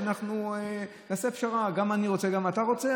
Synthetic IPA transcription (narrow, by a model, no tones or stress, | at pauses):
anaχnue | naːsefʃaʁaɡamaniʁo̞t͡seɡamat̪aʁo̞t͡se